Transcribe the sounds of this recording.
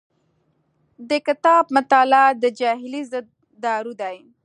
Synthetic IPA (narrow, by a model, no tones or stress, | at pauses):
d̪əkɪt̪ɑb̚mat̪ɑlad̪əd͡ʒɑɦɪlizəd̪̚ːɑɾud̪aj